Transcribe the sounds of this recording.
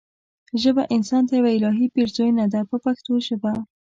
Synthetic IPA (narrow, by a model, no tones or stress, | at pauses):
ʒəbaʔɪnsɑnt̪ajawaɪlɑɦipiɾzojnad̪apəpaxt̪oʒəba